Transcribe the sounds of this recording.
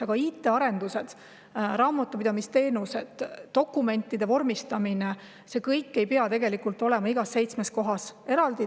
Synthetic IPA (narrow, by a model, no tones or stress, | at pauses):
ɑɡ̥ɑiːt̪ːˑe̞ɑɾe̞nd̪use̞d̪̥ | ɾɑːmɑt̪ːˑupid̪ɑmist̪e̞ːnuse̞d̪̥ːo̞kːˑume̞nʲt̪ːˑid̪e̞vo̞rmist̪ɑmine | se̞kɤjkːe̞jpeɑt̪e̞ɡe̞likult̪ːˑo̞le̞mɑiɡ̥ɑsːe̞jt̪sme̞sko̞ɦɑse̞ɾɑld̪̥i